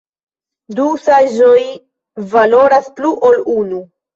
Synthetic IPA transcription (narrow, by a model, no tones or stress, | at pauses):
dusaʒoj | valo̞ɾaspluʔolunu